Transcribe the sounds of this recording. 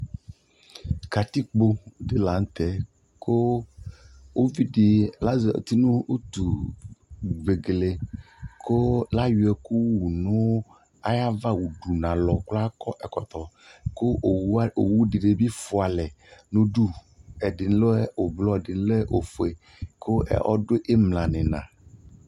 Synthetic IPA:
ka˨t̪i˦k͡po˦ɖe˦la˨ŋ˦t̪ɛ˨ | ko˦ | wo˦vi˦ɖi˨la˦ze˨o̰˨t̪i˦nũ˦o˦t̪u˨ | ɡ͡be˨ɡle˨ | kʰo˦la˦ju˨˦ɛ˨ku˦wu˨nũ˦ | a̰˦ja˦va˦wu˨ɖu˨nã˨lɔ˨kla˦kɔ˦ʔɛ˨kɔ̰˨t̪ɔ˨ | ko˦˨˦o˨wu˦ɖi˨ɖe˨bi˦fʊ˨a˨lɛ˨ | nũ˦ɖu˦ | ɛ˨dɪ˨n˦lo˦ɛ˦o˨blɔ˦ɛ˨dɪ˨n˦lo˦ɛ˦ʔo˨fo˨e˨ | kʰo˦ʔɛ̰˨ʔɔ̰˦ɖʊ˦ʔe˦mlã˨nɪ̃˨nã̰˨

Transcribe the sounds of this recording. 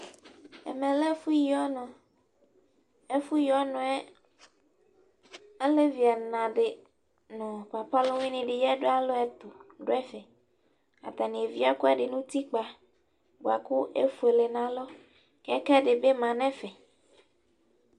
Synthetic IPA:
ḛ˨mẽ˨le˦fu˦ji˦ɔ˦nɔ̃˨ | e˦fu˦ji˦ɔ˦nɔ̃˨˦ɛ˦ | a˦le˦vi˨a˨nã˨ɖe˨ | nɔ̃˨k͡pa˨pa˦lo˦wĩ˦nĩ˨˦ɖe˨jɛ˦ɖo˦a˦lo˦ɛ˨t̪o˨ɖo˦ɛ˦fɛ˨ | a̰˨t̪a˨nĩ˨e˨vi˦a˦ko˦ɛ˦ɖe˨nũ˦t̪i˦k͡pa˨ | bo˨a˨ku˦ʔḛ˦fu˨e˨le˨nã˨lɔ˦ | kɛ˦kɛ˦ɖe˨be˦mã˨nɛ̃˦fɛ˨

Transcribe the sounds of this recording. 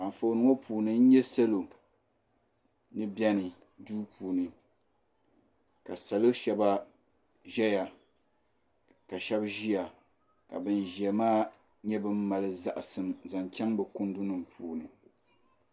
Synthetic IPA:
a˨ɱ˨fo˨nɨ˦ŋo˦pʰuː˨nɨ˨n̩˦ɲɛ˦sa˦lo˨ | nɨ˦bjɛ˦nɨ˨ | duː˦pʰuː˨nɨ˨ | ka˨sa˨lo˦ʃɛ˦ba˦ | ʒɛ˦ja˨ | ka˨ʃɛ˦bʒi˦ja˨ | ka̰˨bɨ˦nʒɛ˨maː˦ | ɲɛ˦bɨ˦m˦ma˨lɨ˦za˦˨ʔa˨sɨ˨mza˨nt͡ʃa˦ŋbɛ˨kʊ˦n˦dʊ˦nɨ˨mpʰuː˨nɨ˨

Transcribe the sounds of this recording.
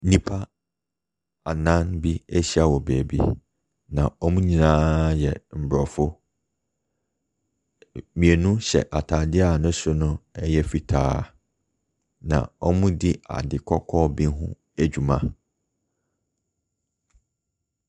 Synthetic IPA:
nĩ˨pʰa˦ | a˨nã˦nbi˦æ˦ɕi˦a˨wɔ˨bæː˨bḭ˦ | nã˨ɔ˦mũ˦ɲĩ˨nãː˦jɛ˨m̩˨bɾɔ˨fʊ˦ | mĩ˨e˨nũ˦ɕɛ̰˨ʔa˨tʰaː˨dɪ˦a˨nʊ̃˦sʊ˦nʊ̃˦ɛ˦jɛ˦fi˨tʰaː˦˨ | nã̰˨ɔ˦mũ˦dɪ˦a̰˨dɪ˨kʰɔ˦kʰɔː˦bĩ˦nɦʊ̰̃˦ | æ˦d͡ʑᶣu˨mã˦

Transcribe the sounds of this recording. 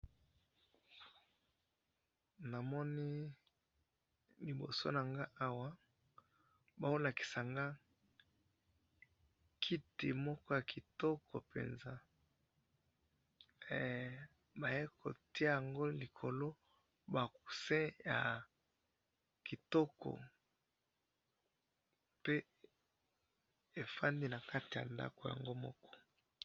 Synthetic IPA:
na˨mɔ˦ni˦ | li˨bo˨so̰˦na˨ŋɡa˦ʔa˦wa˦ | ba˨o˦la˨ki̥˨sa˨ŋɡa˦ | kʰi˦te˨mɔ˦kɔ˦ja˨ki˨tɔ˦kʰɔ˨pḛ˨nza˦ | ba˨je˦kʰo̰˨ti˦a˦ja˨ŋɡo˦li˨kʰo˨lo˦ | ba˨ku̥˨sɛ̃˦ja˨ | ki˨tɔ˦kɔ̰˨ | pe˦ | e˨fa˦ndi˦na˨ka˦ti˨ja̰˨nda̰˦ko˨ja̰˨ŋɡo˦mɔ˦kɔ̥˦

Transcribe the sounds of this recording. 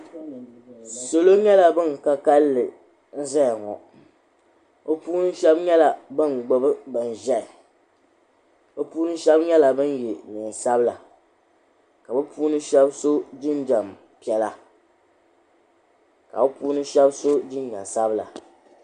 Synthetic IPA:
so˨lo˦ɲɛ˦la˨bɨ˦n˨ka˦ka˦lːɨ˨ | n̩˦za˦˨ŋɔ̰˨ | o˦puː˦nɨ˦ʃɛ˦bɲɛ˦la˨bɨ˦nɡ͡bo˨bɨ˦bɨ˨n̩˨ʒɛ˦˨ | o˦puː˦nɨ˦ʃɛ˦bɲɛ˦la˨bɨ˦n˦je˨ni˨n˨sa˦bɨ˦la˨ | ka˨bɨ˦puː˦nɨ˦ʃɛ˦bso˦d͡ʒɪ˦nd͡ʒa˨m | pi˨˦ɛ˦la˦ | ka̰˨o˦puː˦nɨ˦ʃɛ˦bso˦d͡ʒɪ˦n˦ɲa̰˨sa˦bɨ˦la̰˨

